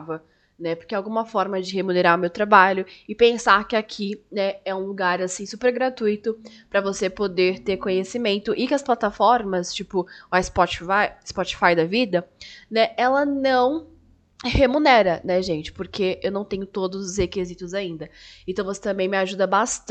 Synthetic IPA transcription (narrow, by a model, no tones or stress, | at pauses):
vɐ | nɛpoɾkeawɡũmɐfɔɾmɐd͡ʒɪhemuneɾaʊmewt̪ɾabaʎʊɪpẽsaɾkɪakʰinɛɛũluɡaɾasĩsupeɾɡɾat̪ujt̪ʊ | pɾɐvosepod̪eɾt̪eɾkõɲesimẽnt̪ʊʔɪkɪɐsplat̪afɔɾmɐst͡ʃipʊɐɪspɔt͡ʃfajɪspɔt͡ʃi̥fajd̪ɐvid̪ɐnɛɛlɐnɐ̃w̃ | hemunɛɾɐnɛʒẽnt͡ʃɪ̥poɾkʰeewnɐ̃w̃t̪ẽɲʊt̪od̪ʊzʊzhekezit̪ʊzaĩnd̪ɐẽt̪ɐ̃w̃vose̥t̪ɐ̃mbẽj̃mɪaʒud̪ɐbast̪